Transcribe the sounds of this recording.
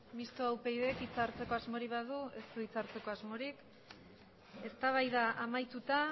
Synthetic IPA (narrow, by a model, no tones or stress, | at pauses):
mist̪oawpe̞jðe̞kit͡saɾt͡se̞ko̞azmo̞ɾiβaðue̞st̪uit͡saɾt͡se̞ko̞azmo̞ɾik | e̞st̪aβ̞ajðaʔamajt̪ut̪a